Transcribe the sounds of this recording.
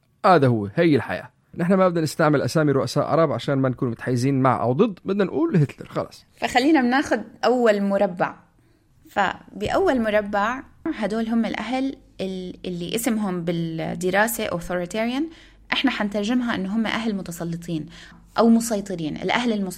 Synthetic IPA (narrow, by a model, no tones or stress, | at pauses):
haːðahʊwːhajːɪlħa̰ja̰ː | nɪħnamabd̪anɪst̪aʕmɪlʔa̰saːmiɾʊʔasaːʔːɾˤɑːbʕaʃaːnmankuːnmʊt̪ħajːɪziːnma̰ʕʔa̰wd̪ˤɨd̪ˤːbɪd̪nanʔuːlhɪt̪lɪɾxɑ̰lɑ̰ːsˤfaxalːiːnamnaːxʊd̪̚ʔawːalmʊɾˤɑbːaʕ | fa̰bɪʔawːalmʊɾˤɑbːaʕɦad̪oːlɦʊmːɪlʔaɦal | ʔɪɪlːiʔɪsɪmɦʊmbɪld̪ɪɾˤɑːsaʔoθoɾɪt̪eːɾjan | ʔɪħnaħant̪ɑɾˤʒɪmɦaʔɪnːʊɦʊmːa̰ʔaɦlmʊt̪ɑsˤɑlːɨt̪ˤiːn | ʔawmʊsˤɑjt̪ˤɨɾiːnʔɪ̰lʔahlɪlmʊ